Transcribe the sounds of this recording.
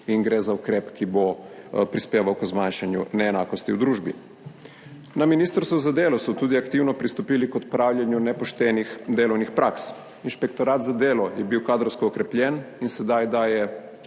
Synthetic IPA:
iŋɡɾeːzaukɾɛːpkibopɾispjeːʋawkzmanʃanjunɛːnaːkɔst̪iwd̪ɾuːʒbi | naminiːst̪ɾst̪ʋɔzad̪eːlɔsɔt̪uːd̪iakt̪iːwnɔpɾist̪ɔpiːlikɔt̪pɾaːwlʲjɛnjunɛpɔʃt̪ɛnixd̪eːlɔwnixpɾʔaːks | inʃpɛkt̪ɔɾaːt̪zad̪eːlɔjɛbiwkaːd̪ɾɔwskɔːkɾɛpljɛninsɛd̪ajd̪aːjɛ

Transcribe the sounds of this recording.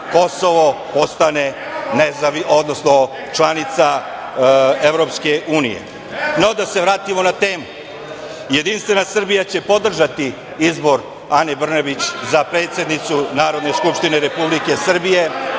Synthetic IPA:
ko̞so̞ʋopo̞st̪ane | nezaʋio̞d̪nosno̞ | t͡ʃlanit̪sa | e̞ʋɾo̞pske̞ʔuːnijḛ | nod̪ase̞ʋɾaːt̪imo̞nat̪e̞ːmu | je̞d̪inst̪ʋe̞nasr̩bijat͡ɕe̞po̞d̪r̩ʒat̪i | izbo̞ɾ | anebr̩nebit͡ɕzapɾe̞ːt̪sje̞d̪nit̪sunaːɾod̪ne̞skupʃt̪ineɾe̞publike̞sr̩bije̞

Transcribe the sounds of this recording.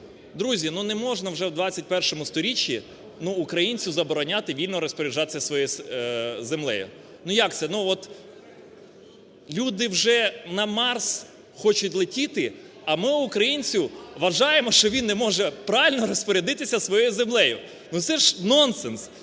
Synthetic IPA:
d̪ɾuzʲinunɛmɔʒnɐwʒɛwd̪ʋɑt͡sʲːɐt̚ʲpɛrʃɔmʊst̪ɔɾʲit͡ʃʲːi | nuːkɾɐjinʲt͡sʲʊzɐbɔɾɔnʲat̪ɪʋʲilʲnɔɾɔspɔɾʲɪʒɑt̪ɪ̥sʲɐsʋɔjɔj | zemlˠɛ̰jʊ̰ | nujakt̪sɛnuɔt̪ | lʲud̪ɪwʒɛnɐmɑrs | xɔt͡ʃʊtʲlˠetʲit̪ɪ | ɐmɪːkɾɐjinʲt͡sʲʊʋɐʒɑjemɔʃt͡ʃɔʋʲinːɛmɔʒɛpɾɑʋɪlʲnɔɾɔspɔɾʲed̪ɪt̪ɪsʲɐsʋɔjɔjʊzemlˠɛjʊ | nut̪sɛʒnɔnsɛns

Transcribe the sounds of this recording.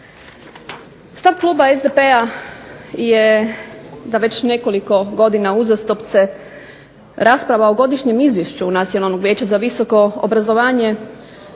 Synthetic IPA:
st̪aʋklˠuːbaezd̪epe̞a | je̞ | zaʋe̞t͡ɕne̞ko̞liko̞ɡo̞d̪inauzast̪opt̪se̞ | ɾaspɾaʋaoɡo̞d̪iʃɲe̞mizʋjeʃt͡ɕunat̪sijo̞nalno̞ɡʋjeːt͡ɕazaʋiso̞ko̞o̰bɾazo̞ʋaːɲe̞

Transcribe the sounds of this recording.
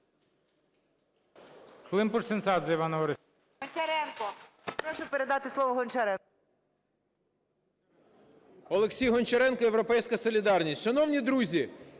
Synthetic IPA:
klˠɪmpursensɑd̪zɐiʋɑnɔʋɔɾe | ɦɔnʲt͡ʃɐɾɛnkɔ | pɾɔʃʊpeɾed̪ɑt̪ɪslˠɔʋɔɦɔnʲt͡ʃɐɾɛ | ɔlˠeksʲijɦɔnt͡ʃɐɾɛnkɔewɾɔpɛjsʲkɐsɔlʲid̪ɑrnʲisʲt̪ʲʃɐnɔwnʲid̪ɾuzʲi

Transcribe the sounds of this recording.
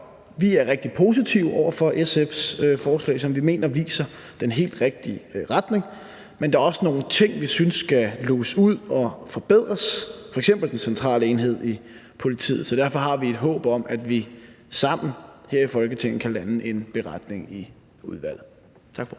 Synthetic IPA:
ʋiæɐʁeɡ̥̚d̥i̥pʰo̝ːs̬it͡sʰiʊʔɒ̰ʊ̰ɐfɒ̽ʔesefsøfɒːslɛ̰ːɪsɒ̽mʋime̝̰ːnɐʋḭːsɐ | d̥enɦe̝̰ːld̥ʁeɡ̥̚d̥iʁad̥ne̝ŋ | mend̥ɑ̈æɐɒ̽səno̝ːn̩t͡sʰe̝ŋ̰ʋisynsːɡ̥æloːsuð̰ˠɒ̽fɒ̽b̥e̝ð̰ˠʁɐsfɒ̽eɡ̥sem̰b̥l̩d̥ensent͡sʰʁɑ̰̈ːləe̝ːnɦe̝ð̞̰ˠi | pʰo̝lit͡sʰḭːð̩ˠsɒ̽d̥æɐfɒ̽ɦɑ̈ʋie̝d̥ɦɔ̰̽ːb̥ɒ̽mʔæd̥ʋi | sɑ̈m̰n̩heɐ̰ifɒ̽lɡ̥ət͡sʰe̝ŋ̰n̩kʰælænəʔe̝nb̥e̝ʁad̥ne̝ŋi | uð̞ˠʋæl̰ð̩ˠ | t͡sʰɑ̈ɡ̥f

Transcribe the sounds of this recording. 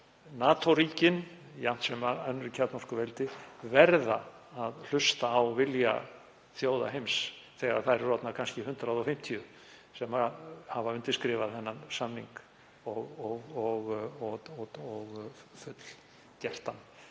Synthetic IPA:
naːt̪ʰɔɾiːcɪn | jam̥t̪sɛmaœnːɾɪcʰat̪nɔr̥kʏvɛlt̪ɪvɛɾðaaðl̥ʏst̪aːwvɪlja̰ | θjoːwða̰ɦejms | θɛɣa̰ɾ̥θaɾrɔt̪nakʰanscɪɦʏnt̪ɾaðɔfɪm̥t̪ʰiʏ | sɛmahavaʏnt̪ɪ̥skɾɪːvaðθɛnːansamniŋk | ɔɣɔɣɔɣɔɔɣfʏt̪l̥ | cɛht̪an

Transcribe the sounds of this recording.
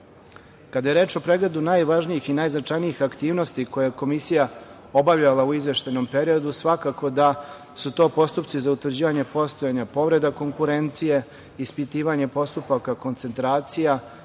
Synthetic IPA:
kad̪aje̞ɾe̞ːt͡ʃo̞pɾe̞ɡle̞d̪unaːjʋaʒnijixinaːjznat͡ʂajniixakt̪iːʋno̞st̪iko̞jejeko̞misija | o̞baʋʎalˠauizʋe̞ʃt̪ajno̞mpe̞ɾijo̞d̪usʋakako̞d̪a | sut̪o̞ːpo̞st̪upt̪sizaut̪ʋɾr̩d͡ʑiːʋaɲe̞po̞st̪o̞jaɲapo̞ʋɾe̞d̪ako̞ŋkuɾe̞nt̪sije̞ | ispit̪iːʋaɲe̞po̞st̪upakako̞nt̪se̞nt̪ɾaːt̪sija

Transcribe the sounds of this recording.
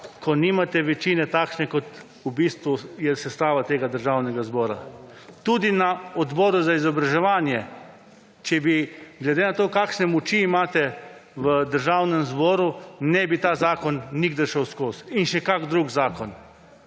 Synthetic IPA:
kɔniːmat̪ɛʋɛt͡ʃinɛt̪aːkʃnɛkɔt̪ | ubiːst̪ʋujɛsɛst̪aːʋat̪eːɡad̪əɾʒaːwnɛɡazbɔːɾa̰ | t̪ud̪inaɔd̪bɔːɾuzaizɔbɾaʒɛʋaːnjɛ | t͡ʃɛbiɡlɛd̪eːnat̪oːkaːkʃnɛmɔt͡ʃiːmaːt̪ɛʋəd̪əɾʒawnɛmzbɔːɾunɛbit̪aːzaːkɔnːiɡd̪əɾʃɛwskoːsinʃɛkaɡd̪ɾuɡzaːkɔn

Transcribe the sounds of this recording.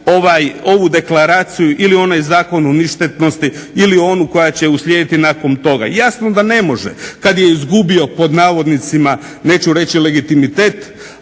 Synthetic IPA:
o̞ʋajo̞ʋud̪e̞klaɾaːt̪sijuʔilio̞najzaːko̞nuniʃt̪et̪no̞st̪iilio̞nuko̞jat͡ɕe̞uslʲjeːd̪it̪inaːko̞nt̪o̞ɡa̰jasno̞d̪ane̞mo̞ʒḛkad̪je̞izɡubio̞po̞d̪naːʋo̞d̪nit̪sima | ne̞ːt͡ɕuɾe̞t͡ɕile̞ɡit̪imit̪e̞ːt̪

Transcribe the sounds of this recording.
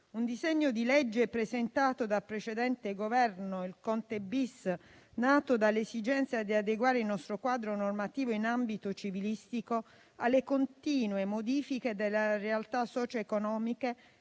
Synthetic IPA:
und̪izɛɲːod̪ilɛd͡ʒːepɾezent̪aːt̪od̪apɾet͡ʃed̪ɛnt̪eɡovɛrnoilkɔnt̪ebis | naːt̪od̪alːesid͡ʒɛnt̪sjad̪iad̪eɡwaːɾeilnɔst̪ɾokwaːd̪ɾonormat̪iːvoinambit̪ot͡ʃivilist̪iko | alːekont̪iːnwemod̪iːfiked̪elːarealt̪asːɔːt͡ʃoekonɔːmike

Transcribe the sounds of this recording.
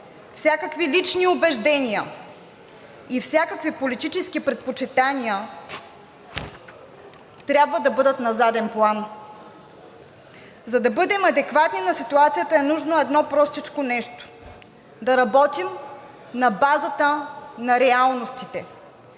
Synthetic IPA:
fsʲjakəkvilit͡ʃniobɛʒd̪ɛniə | ifsʲjakəkvipolit̪it͡ʃɛskipɾɛt̪̚pot͡ʃit̪aniə | t̪ɾʲabvəd̪ɐbɤd̪ət̪nɐzad̪ɛnplˠan | zɐd̪ɐbɤd̪ɛmɐd̪ɛkvat̪ninɐsit̪uat̪sijət̪əɛnuʒnoɛd̪nɔpɾɔst̪it͡ʃkonɛʃt̪o̥ | d̪ɐɾɐbɔt̪im | nɐbazət̪ənɐɾɛalˠnost̪it̪ɛ

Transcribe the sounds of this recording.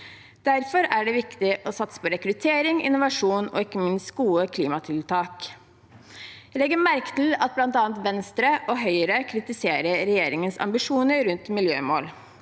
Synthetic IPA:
d̪̥æɾfɔɾæɖɛʋɪkt̪ɪʔɔsɑt̪sə̥pɔɾɛkɾʉt̪ʰeːɾɪŋɪ̰nːʊʋɑʂuːnɔ̰ɪkːəmɪnst̪̚ɡuːəkʰliːmɑt̪ʰɪlt̪ʰɑːk | jælɛɡəmæɾkə̥t̪ɪlɑt̪̚blɑnt̪ɑːɑnt̪ʋɛnst̪ɾəʔɔɦœʏəɾəkʰɾɪt̪ɪseːɾəɾɛjeːɾɪŋənsɑ̰mbɪʂuːnəɾʉnt̪mɪljø̰ːmo̰ːl

